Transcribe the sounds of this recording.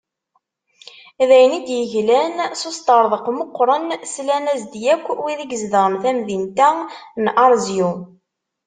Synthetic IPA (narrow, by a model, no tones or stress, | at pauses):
ðæjnid̪jəʝlænsost̪ɑɾˤðˤəqmoqːɾˤənslænæzd̪jækʷːwiðiɡəzðəɾəmθæmðint̪ænʔɑɾˤzju